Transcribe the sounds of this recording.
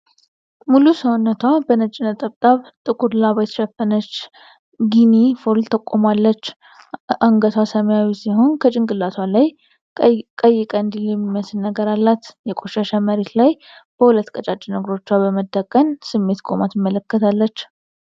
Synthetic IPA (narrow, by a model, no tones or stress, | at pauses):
mulusəwnːət̪ʰwabənət͡ʃʼːɪnət̪ʼəβt̪ʼaβt̪ʼɨkʼud̪laβajt̪ʃɛfənət͡ʃː | ɡinifoɾlt̪ʰəkʼːomalːət͡ʃː | ʔaŋɡət̪ʰwasəməjawisiho̞nkʰət͡ʃʼɪŋɡʼɨlːaswalaj | kʼəjːɪkʼənd̪iljɛmːiməsɨnːəɡəɾalːat̪jɛkʼo̞ʃaʃaməɾe̞t̪laj | b̥əhulət̪ːkʼət͡ʃʼat͡ʃʼːinəɡɾo̞t͡ʃːwabəməd̪ːəkʼːənsɨmːe̞t̪kʼomat̪jɪmːələkːət̪ʰalːət͡ʃː